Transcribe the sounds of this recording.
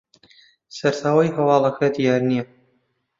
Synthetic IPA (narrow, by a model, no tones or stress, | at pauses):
sɐɾt̪ʰaːwajɦɐwɑːlˠɐxʰɐd̪ijaːɾnijɛ